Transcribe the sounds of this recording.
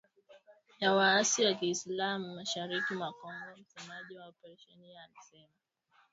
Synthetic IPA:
jawaasiwakiːslamuːaʃaɾikimakɔŋɡɔm̩sɛmaʄiwaɔpɛɾɛʃɔnialisɛma

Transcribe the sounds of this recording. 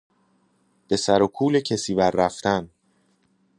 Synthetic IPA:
b̥e̞sæɾokʰuːlecʰesiːbæɾːæft̪ʰæn

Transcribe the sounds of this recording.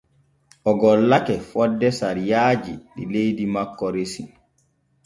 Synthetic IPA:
ʔɔɡɔlːakɛfɔdːɛsaɾijaːd͡ʒiɗilejdimakːɔɾesi

